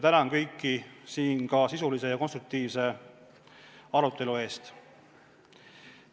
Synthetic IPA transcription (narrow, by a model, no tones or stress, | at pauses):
t̪ænɑnkɤjkːisiːnkɑsisulise̞jɑkonst̪ɾuk̚t̪iːvse̞ | ɑɾut̪ːˑe̞lue̞ːst̪